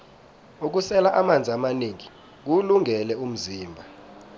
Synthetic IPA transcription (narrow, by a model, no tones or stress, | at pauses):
uk̬usɛlaʔamand͡zʱiamaniŋi | k̬uluŋɡʱɛlɛum̩ziːmbʱa